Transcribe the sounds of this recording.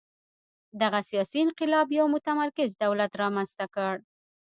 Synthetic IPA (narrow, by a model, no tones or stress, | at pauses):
d̪aɣasijɑsiɪnqɪlɑbjawmʊt̪amaɾkɪzd̪awlat̪ɾɑmanzt̪akəɽ